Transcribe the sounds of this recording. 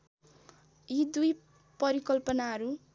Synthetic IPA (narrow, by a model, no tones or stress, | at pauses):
id̪uj | pʌɾikʌlpʌnaɦʌɾu